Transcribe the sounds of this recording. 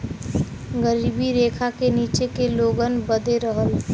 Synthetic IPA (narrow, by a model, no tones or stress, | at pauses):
ɡəɾibiɾekʰakeniːt͡ʃekeloɡənbəd̪ʱeɾəɦəl